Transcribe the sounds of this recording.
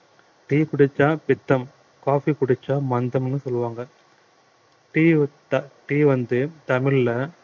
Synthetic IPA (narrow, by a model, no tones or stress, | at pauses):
ʈiːkʊɽɪt͡ʃːãːpɪt̪ːɐm | kaːfikʊɽɪt͡ʃːãːmɐnd̪ɐmɛnːɯsɔlːɯʋaːŋɡɐ | ʈiː | ʈiːʋɐnd̪ɯt̪ɐmɪɭlɐ